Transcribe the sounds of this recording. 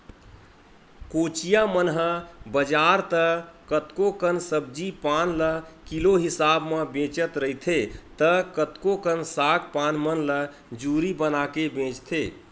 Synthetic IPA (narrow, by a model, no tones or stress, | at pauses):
kot͡ʃijamənɦəbəd͡ʒaɾt̪əkət̪kokənsəb̚d͡ʒipanləkiloɦisabmebẽt͡ʃət̪ɾəɦit̪ʰet̪əkət̪kokənsak̚panmənlə | d͡ʒuɾibənakebẽt͡ʃt̪ʰe